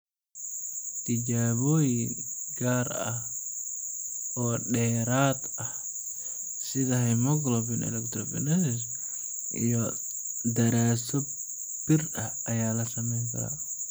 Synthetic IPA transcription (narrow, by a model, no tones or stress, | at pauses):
t̪ʰɪd͡ʒaːβɔːjɪɡaːɾɐ̰h | ɔːɖɛːɾaːd̪ | ɐh | sɪðɐhɛjmɔɡlɔbɪnɛ̰lɛkt̪ʰɾɔbɛ̰nɛsɪs | ʔḭjɔ | d̪ɐɾaːsɔ | b̥ɪrɐh | ɐjaːlɐsɐmɛjs̬a̰ː